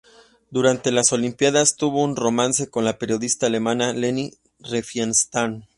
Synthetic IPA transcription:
d̪uɾant̪e̞laso̞limpjaðast̪uβo̞unro̞mãnse̞ko̞nlape̞ɾjo̞ðist̪aːle̞mãnaleni | refjenst̪an

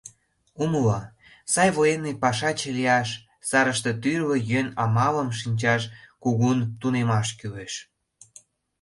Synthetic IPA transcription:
uməlo | sɑjβojenepɑʃɑt͡ɕelijɑʃ | sɑɾəʃt̪et̪yrβøjønɑmɑləmʃ̬inʲt͡ɕɑʃkuɣunt̪unemɑʃkyleʃ

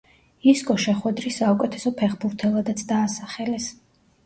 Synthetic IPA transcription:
iskʼɔʃɛχwɛd̪ɾisːaukʼɛt̪ʰɛsɔpʰɛχbuɾt̪ʰɛlˠad̪at̪sʰd̪aːsaχɛlɛs

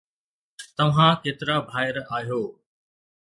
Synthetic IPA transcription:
t̪ɐʋ̤ãkeːt̪ɪɾabʱaːɪɾaːɦijoː

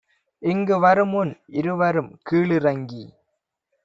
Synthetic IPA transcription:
ɪŋɡɯʋɐɾɯmʊnɪɾɯʋɐɾɯmkiːɭɯɾɐŋɡi

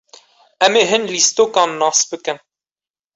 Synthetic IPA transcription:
ɛmeːɦɨnlist̪oːkɑːnːɑːsbɨkɨn

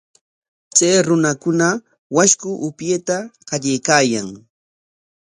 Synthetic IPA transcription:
t͡sajɾʊnakʊna | waʃkʊʔʊpjeːt̪aqɑʎajkaːjaŋ

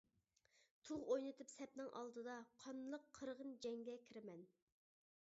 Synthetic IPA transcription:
t̪ʰuʁojnɨt̪ʰɨpsɛp̚nɪŋʔɑ̰lˠd̪ɨd̪ɑqʰɑnlˠəqʰːəɾʁənd͡ʒɛŋɡʲɛkʲʰiɾɪmɛn

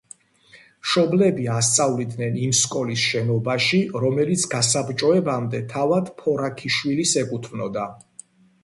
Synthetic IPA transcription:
mʃɔblɛbiast̪sʼavlid̪nɛnimskʼɔlisʃɛnɔbaʃiɾɔmɛlit̪sʰɡasabt͡ʃʼɔɛbamd̪ɛt̪ʰavad̪̥pʰɔɾakʰiʃwilisɛkʼut̪ʰmnɔd̪a

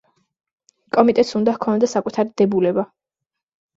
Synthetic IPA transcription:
kʼɔmit̪ʼɛt̪ʼsund̪ahkʰɔnd̪asakʼut̪ʰaɾid̪̥ɛbulɛba

